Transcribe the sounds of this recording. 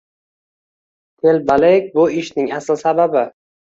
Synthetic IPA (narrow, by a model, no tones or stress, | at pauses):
t̪ʰe̞lbalek̚ʲbʊɪʃnɪŋaslsababɪ